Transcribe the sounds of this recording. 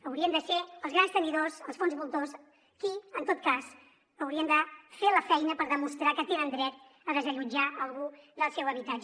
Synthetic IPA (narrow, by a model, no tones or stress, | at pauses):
əwɾiənd̪əseəlˠzɣɾanst̪əniðosəlˠsfonzβulˠt̪os | kiənt̪ot̪̚kas | əwɾiənd̪əfeləfɛjnəpəɾðəmust̪ɾakət̪enənd̪ɾɛt̪̚ | əðəzəʎud͡ʒaəlˠɣuðəlˠsɛwəβit̪ad͡ʒə